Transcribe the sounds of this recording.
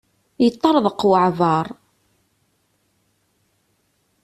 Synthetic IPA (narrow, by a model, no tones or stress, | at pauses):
jət̪ˤːɑɾˤðˤəqːwəʕvɑɾˤ